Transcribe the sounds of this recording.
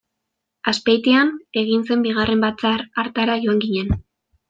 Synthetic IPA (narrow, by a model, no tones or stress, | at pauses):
aspejt̪iane̞ɣinse̞mbiɣarʔe̞mbat͡saɾaɾt̪aɾaʝo̞aŋɡiɲe̞n